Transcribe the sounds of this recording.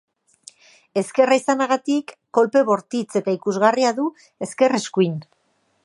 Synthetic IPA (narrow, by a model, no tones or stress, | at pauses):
e̞ske̞raisanaɣat̪ikːo̞lpe̞βo̞ɾt̪it͡se̞t̪aikuzɣariaðu | e̞ske̞re̞skuin